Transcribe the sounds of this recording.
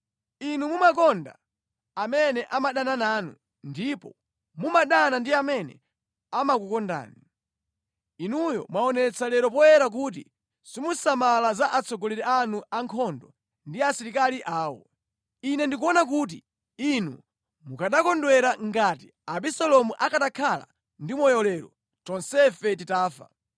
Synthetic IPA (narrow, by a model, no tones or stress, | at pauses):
inumumak̬ɔnda̰ | amɛnɛʔamaɗananaːnu | ndipɔ | mumaɗanandiamɛnɛ̰ | amakukɔnda̰ːni | inujɔ̰mwaɔnɛt͡sʰalɛɾɔpɔjɛɾak̬uːt̬ḭ | simusamalazaʔat͡sʰɔɡɔlɛɾɛanuaŋkʰɔndɔ | ndiasiɾikaliʔaːwɔ̰ | inɛndik̬uɔnak̬uːt̬i | inṵ | mukaɗakɔndwɛɾaŋɡati | aɓisɔlɔmuʔakaɗakʰala̰ | ndimɔjɔlɛɾɔ̰ | t͡ʃɔnsɛfɛtitaːfa̰